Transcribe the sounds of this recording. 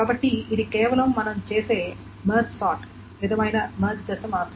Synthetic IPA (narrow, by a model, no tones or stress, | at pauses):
kɐbɐʈːiid̪ikɛːʋɐlɐmːɐnɐmt͡ʃeːse̞ː | mɐːɾt͡ʃsaːʈ | ʋid̪ɐmɐjnɐmɐːɾt͡ʃd̪ɐsɐmaːɾt̪ːɾɐ